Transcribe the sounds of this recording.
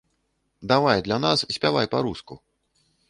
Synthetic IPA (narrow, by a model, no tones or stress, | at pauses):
d̪avajd̪lʲanassʲpʲavajpaɾusku